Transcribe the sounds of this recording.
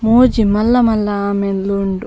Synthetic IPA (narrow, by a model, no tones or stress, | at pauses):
moːd͡ʒimɐlːɐmɐlːɐaːmenloɳɖu